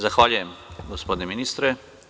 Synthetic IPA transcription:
zaxʋaːljujɛmɡospoːd̪nɛminiːst̪ɾɛ

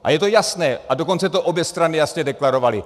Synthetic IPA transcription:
ʔa̰jɛt̪o̞jasnɛːʔado̞ko̞nt͡sɛt̪o̞ʔobjɛst̪ɾanɪjasɲɛdɛklaɾo̞valɪ

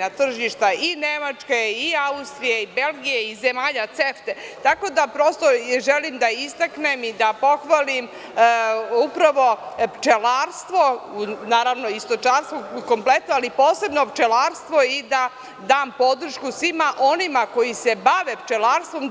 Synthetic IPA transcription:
nat̪r̩ʒiʃt̪aine̞mat͡ʃkeiaust̪ɾijeibe̞lɡijeizemaːʎat̪seft̪e̞t̪ako̞d̪apɾo̞st̪oʒelimd̪aist̪aknemid̪apo̞xʋalim | upɾaʋo̞pt͡ʃelaɾst̪ʋo̞naːɾaʋnoist̪o̞t͡ʃaːnst̪ʋoko̞mple̞t̪noalipo̞ːse̞bno̞pt͡ʃelaːɾst̪ʋo̞id̪a | d̪aːmpo̞d̪r̩ʃkusʋimaʔo̞nimako̞jise̞baʋept͡ʃelaːɾst̪ʋo̞m

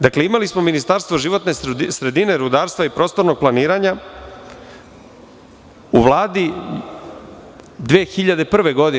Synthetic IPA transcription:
d̪akle̞imalismo̞minist̪aɾst̪vʋo̞ʒiʋo̞t̪ne̞sɾe̞d̪ine̞ɾud̪aːɾst̪vaipɾo̞ːst̪o̞ɾno̞ɡ̚plˠaniːɾaɲa | uʋlˠaːd̪i | d̪ʋeːxiʎad̪e̞pr̩ʋe̞ɡo̞d̪i

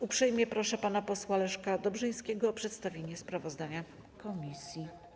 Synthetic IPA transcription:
upʂɛjmʲjɛpɾɔʂɛpanapɔswalɛʂkad̪ɔbʐɘj̃skʲɛɡɔːpʂɛt̪st̪avʲjeɲɛspɾavɔzd̪aɲa | kɔmʲisʲji

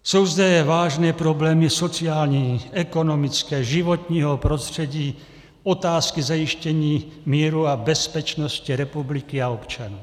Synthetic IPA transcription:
sowzd̪ɛʋaːʒnɛːpɾɔblɛːmisɔt͡siaːlɲiɛkɔnɔmit͡skɛːʒiʋɔt̪ɲiːɦɔpɾɔst̪r̥ɛɟiː | ɔt̪aːskizajiʃcɛɲiːmiːɾuabɛspɛt͡ʃnɔsciɾɛpublikiaɔpt͡ʃanuː

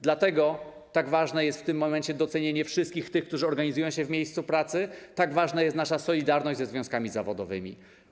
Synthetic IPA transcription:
d̪lat̪ɛɡɔ | t̪aɡvaʐnɛjɛst̪ft̪ɘmːɔmɛɲt͡ɕɛd̪ɔt̪sɛɲeɲɛfʂɘst̪kʲixkt̪ɘxkt̪uʐɘɔɾɡaɲizujɔ̃w̃ɕɛvmʲjejst̪supɾat̪sɘt̪aɡvaʐnajɛst̪naʂasɔlʲid̪aɾnɔɕd͡ʑʲzɛzvʲjɔ̃skamʲizavɔd̪ɔvɘ̰mʲḭ

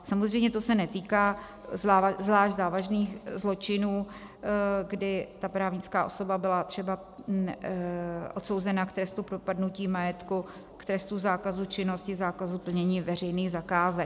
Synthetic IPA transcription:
samozrɛjmɲɛt̪osɛnɛt̪iːkaː | zaazvlaːʒzaːvaʒniːxzlo̞t͡ʃɪnuː | ɡdɪt̪apɾaːvɲɪt͡skaːʔo̞so̞babɪlat̪r̥ɛba | ʔo̞t̪so̞wzɛnakt̪ɾɛst̪upɾopadnuciːmajɛt̪ku | kt̪ɾɛst̪uzaːkazut͡ʃɪno̞scɪzaːkazupl̩ɲɛɲiːvɛr̝ɛjniːɣzakaːzɛk̚

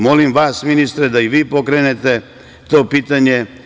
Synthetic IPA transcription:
mo̞limʋaːsminist̪ɾed̪aiʋiːpo̞kɾenet̪e̞ | t̪o̞ːpiːt̪aɲe̞

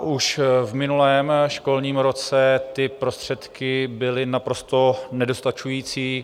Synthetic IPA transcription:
ʔuʃvmɪnulɛːmʃko̞lɲiːmɾo̞t͡sɛt̪ɪpɾo̞st̪r̝̥ɛt̪kɪbɪlɪnapɾo̞st̪o̞nɛdo̞st̪at͡ʃujiːt͡siː

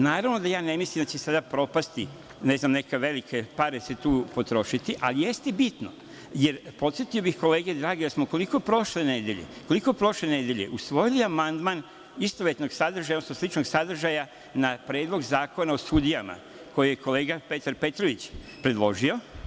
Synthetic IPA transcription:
naːɾaʋno̞d̪ajaːne̞mislimd̪at͡ɕesad̪apɾo̞past̪i | ne̞znamne̞ke̞ʋe̞likʰe̞paɾeset̪uːpot̪ɾo̞ʃit̪iʔa̰lije̞st̪ebit̪no̰ | jeɾpo̞t̪sjet̪io̞bixko̞leːɡed̪ɾaːɡid̪asmoko̞liko̞pɾo̞ʃle̞ne̞d̪jeʎḛko̞liko̞pɾo̞ʃlene̞d̪jeʎḛʔusʋo̞jiliamand̪man | ist̪oʋjet̪no̞ɡsad̪r̩ʒajosmoslit͡ʃnoɡsad̪r̩ʒaja | napɾeːd̪lˠo̞ɡzaːko̞naosud̪ijama̰ | ko̞jijeko̞le̞ːɡape̞t̪aɾpe̞t̪ɾoʋit͡ɕ | pɾe̞d̪lˠo̞ʒio̞

